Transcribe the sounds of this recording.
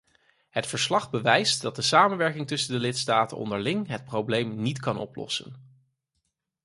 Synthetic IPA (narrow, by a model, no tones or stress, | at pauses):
ɦətfəɹslɑχbəʋɛjstdɑt̚dəsaːmənʋɛɹkɪŋtɵsəndəlɪtstaːtənɔ̰ndəɹlɪŋɦət̚prowblejmnitkɑnʔɔ̰plɔ̰sə̰n